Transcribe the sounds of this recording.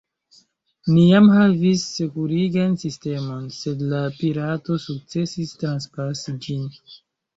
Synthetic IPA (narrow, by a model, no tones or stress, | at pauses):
nijamhavisːe̞kuɾiɡansiste̞mo̞nse̞dlapiɾato̞suk̚t͡se̞sistɾanspasid͡ʒin